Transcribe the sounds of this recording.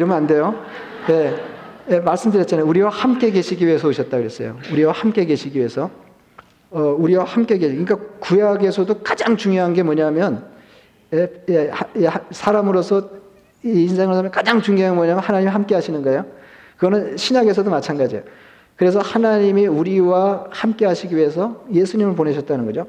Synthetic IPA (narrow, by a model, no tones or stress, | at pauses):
iɾʌmɯnande̞jo | je̞ | jemaɭs͈ɯmdɯɾjʌtt͡ɕ͈anauɾiwahamk͈e̞ɡe̞ɕʰiɡiɥiesʰʌoɕʰʌt̚t͈akɯɾes͈ʌ̰jo̰uɾiwahamk͈e̞ɡe̞ɕʰiɡiɥiesʰʌ | ʌuɾiwahamk͈e̞ɡekɯnik͈akujaɡe̞sʰʌdokad͡ʑaŋt͡ɕuŋjoɦanɡe̞mwʌɲamjʌn | ee | sʰaɾamɯɾosʰʌ | iːns̬ʰe̞ŋɯɾosʰamnkad͡ʑaŋt͡ɕuŋjoɦaɡmwʌɲamjʌnhanaɲimiɦamk͈e̞ɦaɕʰinɯnɡajo | kɯɡʌnɯnɕʰiɲaɡe̞sʰʌdomat͡ɕʰanɡad͡ʑijo | kɯɾe̞sʰʌhanaɲimiuɾiwahamk͈e̞ɦaɕʰiɡiɥiɦe̞s̬ʰʌje̞sʰuɲimɯɭpone̞ɕʰʌt͈̚anɯnɡʌd͡ʑo